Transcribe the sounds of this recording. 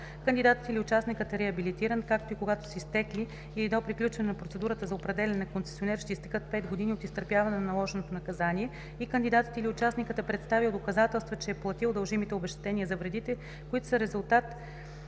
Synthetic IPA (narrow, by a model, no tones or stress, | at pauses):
kənd̪id̪at̪ət̪ilʲiʊt͡ʃasnikət̪ɛɾɛɐbilit̪iɾənkak̚t̪oikoɡat̪o̥sɛist̪ɛkliː | id̪opɾiklʲut͡ʃvɐnɛnɐpɾot̪sɛd̪uɾət̪əzɐopɾɛd̪ɛlʲɐnɛnɐkonsɛ̥sionɛɾʃt̪ɛist̪ɛ̥kɤt̪̚pɛt̪ɡod̪iniot̪ist̪əɾpjavɐnɛnɐnɐlˠɔʒɛnot̪onɐkɐzaniɛ | ikənd̪id̪at̪ə̥t̪ilʲiʊt͡ʃasnikət̪ɛpɾɛt̪st̪avilˠd̪okɐzat̪ɛlˠst̪vət͡ʃɛɛplˠɐt̪ilˠd̪ɐlˠʒimit̪ɛobɛʃt̪ɛ̥t̪ɛnʲiəzɐvɾɛd̪it̪ɛ | koit̪o̥səɾɛzulˠt̪at̪